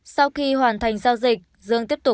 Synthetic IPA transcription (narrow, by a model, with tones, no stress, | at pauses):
sa˧wxi˧ɦwaː˨˩nt̪ʰa˨˩jŋ̟zaː˧wzï˨˩k̟̚ | zɨ˧əŋt̪i˦˥əp̚t̪ʊ˨˩